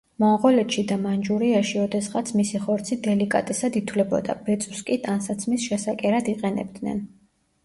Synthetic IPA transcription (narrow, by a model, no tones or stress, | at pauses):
mɔʁɔlɛt̪ʃid̪amand͡ʒuɾiaʃiɔd̪ɛsχat̪sʰmisiχɔɾt̪sʰid̪ɛlikʼa̰t̪ʼɛsad̪it̪ʰwlɛbɔ̰d̪a̰bɛt̪sʼu̥skʼit̪ʼansat̪sʰmisʃɛsakʼɛɾad̪iqʼɛnɛ̰bd̪nɛ̰n